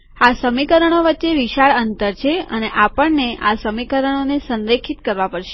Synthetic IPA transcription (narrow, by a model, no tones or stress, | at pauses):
asəmikəɾəɳ̃oʋətːeʋiʃaɭənt̪əɾt͡ʃʰeə̰neʔapəɳneʔasəmikəɾəɳ̃onesənɾekʰit̪kəɾʋapəɽʃe̥